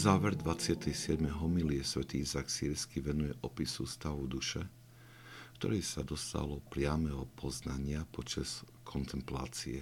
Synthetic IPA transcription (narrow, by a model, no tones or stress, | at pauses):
zaːʋɛɾd̪ʋat͡sɪat̪ʰɛjsɪɛd̪mɛɦɔmiliɛsʋɛt̪iizaksiːɾskiʋɛnujɛʔɔpisust̪aʋud̪uʃɛ | kt̪ɔ̰ɾɛjsad̪ɔst̪a̰lɔpɾɪamɛɦɔpʰɔznaɲɪapɔt͡ʃas | kʰɔnt̪ʰɛmpla̰ːt͡siɛ